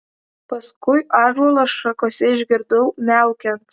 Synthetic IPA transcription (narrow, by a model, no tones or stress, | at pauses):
pɐskʊjɑːʒulˠɐʃɐkoːsʲɛɪʒʲɡʲɪɾd̪owmʲæʊkʲɛnt̪